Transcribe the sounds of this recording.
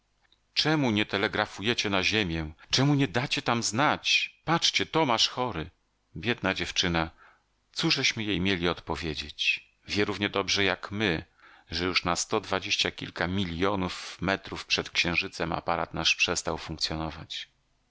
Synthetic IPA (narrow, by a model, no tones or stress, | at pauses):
t͡ʂɛmuɲɛt̪ɛlɛɡɾafujɛt͡ɕɛnaʑemʲjɛt͡ʂɛmuɲɛd̪at͡ɕɛt̪amznat͡ɕpat͡ʂt͡ɕɛt̪ɔmaʂxɔɾɘ | bʲjɛd̪nad͡ʑɛft͡ʂɘna | t̪suʐɛɕmɘjejmʲjelʲiɔt̪pɔvʲjed͡ʑet͡ɕ | vʲjɛɾuvɲɛd̪ɔbʐɛjakmɘ | ʐɛjuʂnast̪ɔd̪vad͡ʑeɕt͡ɕakʲḭlkamʲilʲjɔnufmɛt̪ɾufpʂɛt̪kɕɛ̃ʐɘt̪sɛma̰paɾa̰t̪naʂpʂɛst̪awfũŋkt̪sʲjɔnɔva̰t͡ɕ